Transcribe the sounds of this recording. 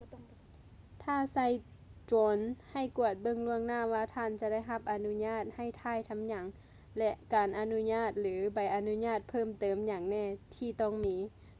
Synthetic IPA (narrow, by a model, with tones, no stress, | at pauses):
t̪ʰaː˧˩sa˧˥˩jt͡ɕɔː˧nha˧˩jku˧˩ət̪̚bɤ˧˨ŋlu˧əŋnaː˧˥˨ʋaː˧t̪ʰaː˧˩˨nt͡ɕa˧da˥˩jɦa˧p̚ʔa˨nu˧˥ɲaː˧˥˩t̪̚ha˧˩jt̪ʰaː˧˥˨jt̪ʰa˧˥mɲa˨˩˦ŋ | lɛ˧ʔkaː˨˩nʔa˨˧nu˧˥ɲaː˧˥˩t̪̚lɯː˨˦ba˨˩jʔa˨nu˧˥ɲaː˧˥˩t̪̚pʰɤː˧˩˨mt̪ɤː˨˩mɲaː˨˩ŋnɛː˧˩t̪ʰiː˧˩t̪ɔː˧˩ŋmiː˨˦˥